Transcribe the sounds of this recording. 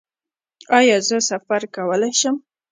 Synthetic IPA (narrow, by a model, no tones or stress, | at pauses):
ɑjɑzəsafaɾkawəlajʃəm